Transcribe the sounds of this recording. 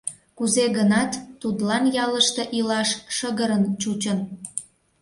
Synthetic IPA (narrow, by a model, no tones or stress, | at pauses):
kuzeɣənɑt̪ːud̪lɑnjɑləʃt̪eʔilɑʃːəɣəɾənt͡ɕut͡ɕən